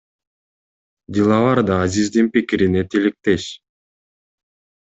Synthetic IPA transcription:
dilˠɑβɑɾd̪ɑːzizd̪inpikiɾine̞t̪ʰilik̚t̪e̞ʃ

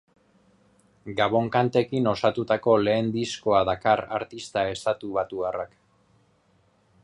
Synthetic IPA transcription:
ɡaβo̞ŋkant̪e̞kino̞sat̪ut̪ako̞le̞ːnd̪isko̞aðakaraɾt̪ist̪ae̞st̪at̪uβat̪uarak

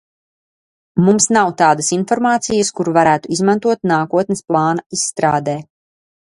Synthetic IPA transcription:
mumsnawt̪aːd̪ɐsinfɔɾmaːt̪sijəskuɾuvaɾæːt̪uizmant̪uɔt̪naːkuɔt̪nɪsplˠɑːnaisːt̪ɾaːd̪ɛː

